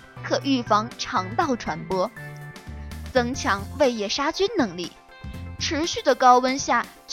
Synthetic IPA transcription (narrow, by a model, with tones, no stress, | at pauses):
kʰɤ˨˩ʔy˥˩fɑ˧˥ŋʈ͡ʂʰɑ˧˥ŋt̪ɑ˥˩ʊʈ͡ʂʰwa˧˥npwɔ˥ | t͡sɤ˥ŋt͡ɕʰjɑ˧˥ŋwe˥˧ɪjɛ˥˩ʂa˥t͡ɕy˥nnɤ˧˥ŋli˥˩ | ʈ͡ʂʰɻ̩˧˥ɕy˥˩d̪ə˩kɑ˥ʊwə˥nɕja˥˩ | t͡ɕ